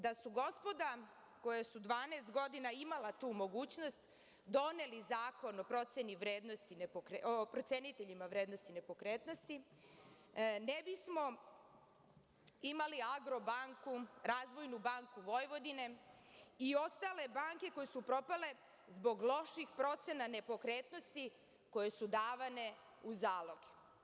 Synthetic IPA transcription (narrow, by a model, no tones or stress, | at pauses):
d̪asuɡo̞spo̞d̪a | ko̞jesud̪ʋaːneːst̪ɡo̞d̪inaimalat̪uːmo̞ɡuːt͡ɕno̞st̪ | d̪o̞ne̞lizaːko̞no̞pɾo̞t̪seniʋɾe̞ːd̪nost̪inepokɾeʔopɾo̞t̪se̞nit̪e̞ʎimaʋɾeːd̪nost̪ine̞po̞kɾeːt̪no̞st̪i | nebismo̞ | imaliaɡɾo̞baŋkuɾaːzʋo̞jnubaŋkuʋo̞jʋo̞d̪ine̞ | io̞st̪ale̞baŋke̞ko̞jesupɾo̞pale̞ | zbo̞ɡlˠo̞ʃixpɾo̞t̪se̞nane̞po̞kɾeːt̪no̞st̪i | ko̞je̞sud̪aːʋane̞ | uzaːlo̞ɡe